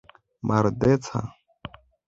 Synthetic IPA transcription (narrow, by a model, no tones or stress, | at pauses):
mʔaɾd̪et͡sʰa̰